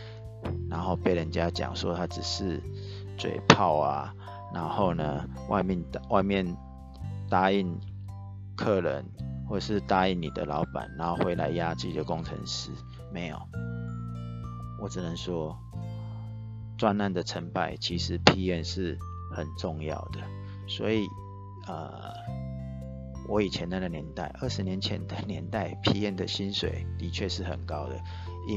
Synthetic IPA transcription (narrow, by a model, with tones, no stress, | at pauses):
na˧˦nxo˥˧ʊpe˥˩ɪɻə˧˦nt͡ɕja˦t͡ɕja̰˨˩ŋʂwɔ˦˥t̪ʰa˦t͡sɻ̩˨˩ʂɻ̩˥˨ | t͡swḛ˨˩ɪpʰa˥˩ʊa̰˨ | na˧˦nxo˥˩ʊnə˨ | wʔa̰˥˧ɪmɛ˥˨nwa˥˧ɪmjɛ˥˨n | t̪a˥i˥˩n | kʰɤ˥˩lə̰˧˦nxwɔ˥˩ʈ͡ʂə˨˩ʂɻ̩˥˨t̪a˥i˥˩˨nni˨˩d̪ə̰˦lɑ˧˦ʊpa̰˨˩nna˨˦nho˥˩ʊxwe˧˥ɪla˧˦ɪja˦t͡sɹ̩˥˩t͡ɕi˨˩d̪ə˩kʊ˦˥ŋt͡sʰə̰˧˥ŋʂ̩˥ | me˧˥ɪjo̰˨˩ʊ | wɔ˨˩ʈ͡ʂɻ̩˨˩nə˧˦ŋʂwɔ˥ | t͡swa˥˧na˥˩nd̪ə˩ʈ͡ʂʰə˧˥npa˥˩ɪt͡ɕʰi˧˥ʂɻ̩˧˦pʰi˧˥jɛ˥˧nʂɻ̩˥˩ | xə˨˩nʈ͡ʂʊ˥˧ŋjɑ̰˥˩ʊd̪ə˩ | swɔ̰˧˥i˨˩ | ə̰˨˩ | wʔɔ˨˧˦i˨˩t͡ɕʰjɛ˧˦na˥˩ɡə˨njɛ˧˦nt̪a̰˥˩ɪʔə˥˩ʂɻ̩˧˥njɛ˧˦nt͡ɕʰjɛ̰˧˦nd̪ə˨njɛ˧˦nt̪a˥˩ɪpʰi˧˥jɛ˥˩nd̪ə˨ɕi˦˥nswḛ˨˩ɪt̪i˧˥t͡ɕʰɥɛ˥˧ʂɻ̩˥˩xə̰˨˩nkɑ˦˥ʊd̪ə̰˨ | i˦